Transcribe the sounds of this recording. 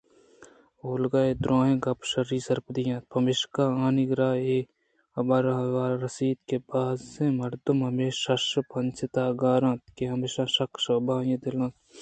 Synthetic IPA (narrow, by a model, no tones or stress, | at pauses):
oːlɡaːeːd̪ɾãːɦẽːɡɐpʃɐɾiːsɐɾpd̪ijãːt̪̚pʰɐmɪʃkaːaːniɡɾaːeː | ɐbɐɾɐɦʋaːɾɐsiːd̪kebaːzẽːmɐɾd̪umɦɐmeːɐʃpɐnt͡ʃʰɪt̪aːɡaːɾãːt̪̚keɦɐmeːʃãːʃɐkʃɐbaːjẽd̪ɪlãːt̪